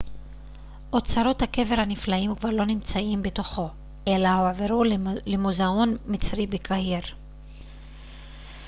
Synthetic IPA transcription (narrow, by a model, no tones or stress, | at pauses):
ʔot͡saɾo̞thake̞ve̞ɾhaniflaimkvaʁlo̞nimt͡saimbeto̞χo̞ | elahoaveʁulemuzaonmit͡sʁibekʰaɦiʁ